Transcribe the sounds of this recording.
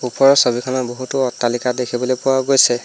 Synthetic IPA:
upɔɹɔsobikʰɔnɔboɦutʊɔtːalikadekʰibɔlojpʊwaɡojsɛ

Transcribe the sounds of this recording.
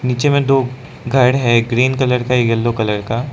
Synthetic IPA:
niːt͡ʃemẽd̪oː | ɡʱɐɽɦɛɡɾiːnkɐləɾkaeɡɐlːokɐləɾkaː

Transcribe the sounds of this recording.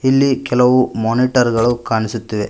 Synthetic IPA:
ilːikɛlɐʋumoːniːʈɐɾɡɐɭukaːɳisut̪ːiʋe

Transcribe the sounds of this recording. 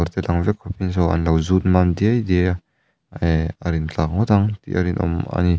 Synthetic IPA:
ɔɾt̪ɛlaŋvɛkʰːɔpins̬ɔwa̰nlawzut̪̚mand̪iajd̪i | aɾint͡ɬak̚ŋɔt̪aŋt̪ḭʔɐ̰ɾinʔɔ̰ma̰ni

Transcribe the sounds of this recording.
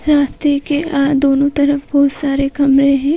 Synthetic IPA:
ɾaːst̪ekeʔad̪oːnõt̪ɐɾəfbɔːt̪saːɾekɐmɾẽɦɛ̃ː

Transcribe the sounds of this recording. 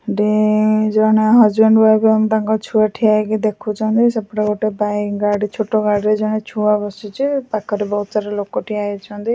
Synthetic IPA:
ɖid͡ʒɔɽ̃eɦad͡ʒbɛɳɖbajbeamt̪aŋkɔt͡ʃʰuaʈʰiajɡid̪ekʰut͡ʃʰɔ̃nt̪isapɽaɡoʈebajɡaɽit͡ʃʰoʈɔɡaɽɾed͡ʒɔɽ̃et͡ʃʰuabɔsut͡ʃʰipakʰːɔɾebɔɦut̪saɾelokɔʈʰiaet͡ʃʰɔnd̪i

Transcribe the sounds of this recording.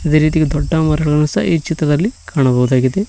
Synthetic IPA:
id̪e̞ːɾiːt̪iɡed̪ɔɖːɐmɐɾɐɡɐɡɐnusɐ̰it͡ʃit̪ɾɐd̪ɐlːikʰaːɳɐbɐɣud̪aːɡid̪e

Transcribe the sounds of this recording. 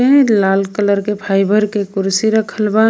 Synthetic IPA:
elaːlkələɾkepʰaːɪbʱəɾkekʊɾsiɾəkʰəlba

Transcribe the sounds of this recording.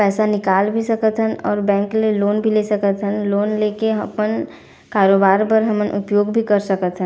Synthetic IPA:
pɛːsanɪkaːlbʱisəkət̪ɦənɔːɾbɛ̃ːŋkleloːnbʱilesəkət̪ɦənloːnleːkeɦəpən | kaːɾoːbaːɾpəɾɦəmənʔʊ̰pjoːɡbʱikəɾsəkət̪ɦə̃n

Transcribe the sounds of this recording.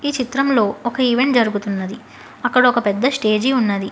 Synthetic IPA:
iːt͡ʃit̪ɾɐmlo̞ːɔkɐiʋe̞ɳʈ̚d͡ʒɐɾuɡut̪unːɐd̪i | ɐkːɐɽɐokɐpɛd̪ːɐsʈe̞ːd͡ʒiunːɐd̪i

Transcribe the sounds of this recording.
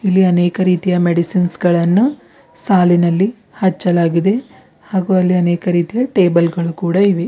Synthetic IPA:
ilːiɐneːkɐɾiːt̪ijɐmeɽisinsɡɐɭɐnːu | saːlinɐlːi | hɐt͡ʃːɐlaːɡid̪e̞ | haːɡuɐlːiɐneːkɐɾiːt̪ijɐʈe̞ːbɐlɡɐɭukuːɽɐiʋe

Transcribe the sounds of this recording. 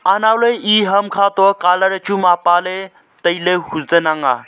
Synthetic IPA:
anawloiɦɐmkʰat̪ɔkaləɾət͡ɕumapale | t̪əjlehuzd̪ənaŋɡa̰

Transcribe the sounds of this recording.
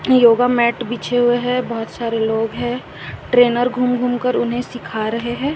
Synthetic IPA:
joːɡamɛːʈbit͡ʃʰeɦʊeɦɛbɔɦʊt̪saːɾeloːɡɦɛ̃ː | ʈɾeːnəɾɡʱumɡʱumkəɾʊnɦẽsɪkʰaɾɐɦeɦɛ̃ː

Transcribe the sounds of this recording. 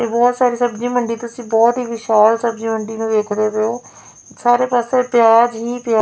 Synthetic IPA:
eːbɔːt̪saːɾiːsəbd͡ʒiːməɳɖiːt̪ʊsĩːbɔːt̪ɦiːʋɪʃaːlsəbd͡ʒiːməɳɖiːnũːd̪eːkʰd̪eːʋeoː | saːɾeːpaːsepjaːd͡ʒɦiːpjaː

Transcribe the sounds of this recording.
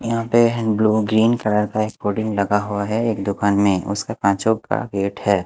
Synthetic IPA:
jɐɦãpebluːɡɾiːnkɐɽəɾkaeːkpoːɖɪ̃ŋɡlɐɡaɦuaɦɛeːkd̪ʊkaːnmẽʊ̰skapãːt͡ʃoɡ̚ka̰ɡeːʈhɛː

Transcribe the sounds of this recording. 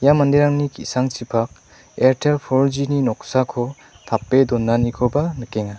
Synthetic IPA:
jamandiɾaŋnikḭsaŋt͡ʃipʰak̚ | eɾtʰelpʰɔɾd͡ʒininɔksakʰɔ | t̪ʰapːed̪ɔnːanikʰɔbanɯkeŋa

